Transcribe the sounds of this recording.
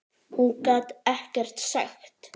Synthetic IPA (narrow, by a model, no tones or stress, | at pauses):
hunkʼat̪ɛhcɛr̥t̪sa̰xt̪